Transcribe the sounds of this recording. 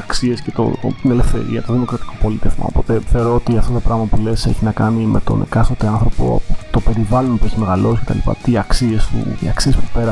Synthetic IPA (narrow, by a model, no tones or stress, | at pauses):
ɐksie̞scet̪o̰t̪inelefθe̞̰ɾḭɐt̪o̞ðimo̞kɾɐt̪i̥kʰo̞po̞lit̪efmɐ̰o̰po̞t̪e̞θe̞o̞ɾo̞ot̪iɐft̪o̞t̪opɾɐɣmɐpule̞se̞̰çinɐkɐnime̞̰t̪o̞̰nḛkɐsot̪eɐnθɾo̞po̞̰t̪ope̞ɾivɐlonpueçimeɣɐlo̞si̥ce̞t̪ɐ̰lipɐ̰t̪iɐksie̞st̪ṵiɐksie̞spupe̞ɾɐ